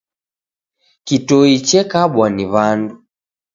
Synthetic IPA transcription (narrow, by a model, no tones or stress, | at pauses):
kitɔit͡ʃɛkaɓwaniβandu